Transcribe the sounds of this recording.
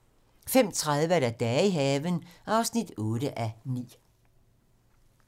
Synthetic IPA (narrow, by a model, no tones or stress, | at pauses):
fem̰t͡sʰʁaðˠʋəæɾæd̥ɛːiɦɛːʋənʔɑ̈ʊsnid̥ɔ̽ːɾ̥əʔænḭː